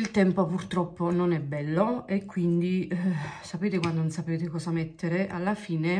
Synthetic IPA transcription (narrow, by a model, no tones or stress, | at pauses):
ilt̪ɛmpopurt̪ɾɔpːononɛbːɛlːoekʰːwind̪i | sapeːt̪ekwand̪onnsapeːt̪ekɔːsamɛt̪ːeɾeʔalːafiːne